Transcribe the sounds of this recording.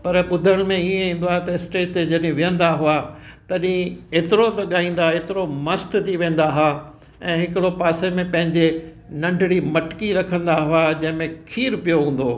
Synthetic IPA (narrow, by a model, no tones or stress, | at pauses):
pɐɾɓʊd̪ʱəɽ̃mẽiẽĩːn̆d̪oaːt̪ɐɪsʈeːʈed͡ʑɐɗĩʋɪjə̃nd̪aɦuat̪ɐɗɪ̃eːt̪ɪɾot̪ɐɠaːĩːn̆d̪aɦeːt̪ɪɾomɐst̪t̪ʰiʋẽːn̆d̪aɦa | ɛ̃ːɦɪkɪɽopaːsemẽpɐ̃ɦɪ̃ɲd͡ʑe | nɐ̃ɳɖʱɪɽimɐʈkiɾɐkʰə̃nd̪aɦuad͡ʑɐ̃ɦɪ̃mẽkʰiːɾpijoɦũːn̆d̪oː